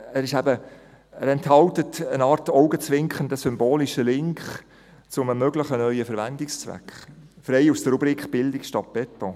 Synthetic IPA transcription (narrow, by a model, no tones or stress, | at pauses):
æɾɪʃæbə | əɾɛnthɑltətənɑːɾtɔʊɡət͡sʋɪŋkχəndəsʏmboːliʃəlɪŋkχ | t͡sʊməmøɡləχənœʏəfəɾʋændɪkst͡svæ̰kχ | fɾɛɪusd̥əɾubɾiːkχb̥ɪldɪkʃtɑt̚b̥ɛto